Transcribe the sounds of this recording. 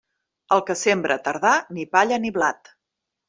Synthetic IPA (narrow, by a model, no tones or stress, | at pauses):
əlˠkəsembɾʔət̪əɾðanipaʎəniβlat̪